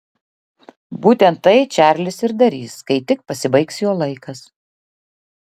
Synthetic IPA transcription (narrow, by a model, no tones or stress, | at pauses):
buːt̪ʲɛnt̪ːɐɪt͡ʃʲæˑɾʲlʲɪsɪɾd̪ɐɾʲiːskɐɪt̪ʲɪk̚pɐsʲɪbɐɪksjoːlˠɐɪkɐs